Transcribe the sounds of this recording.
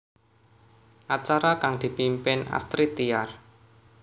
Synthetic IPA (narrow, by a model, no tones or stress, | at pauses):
ʔat͡ʃaɾakaŋd̪̥i̤pimpɪna̰st̪ɾit̪iar